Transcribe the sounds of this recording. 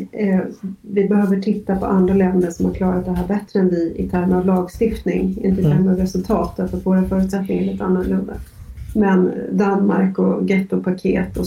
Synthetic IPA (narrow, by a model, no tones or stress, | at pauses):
vɪbɛhøːvəʈʰɪt̪ːapʰɔ̰ʔand̪ɾalɛnd̪əʂɔmhaɾkʰlɑːɾat̪̚d̪ɛɦæːɾbɛt̪ːɾəɛnvɪɪt̪ʰæɾməɾavlɑːɡst̪ɪft̪nɪŋɪ̰nt̪ət̪ʰɛɾməavɾɛsɵlt̪ʰɑːt̪at̪fat̪voːɾafœːɾʉ̟t̪sɛt̪̚nɪŋaɾɭiːt̪əanːɵɭɵnd̪a | mɛnd̪anma̰ɾkɔɡɛt̪ːʊpʰakʰḛːt̪ɔ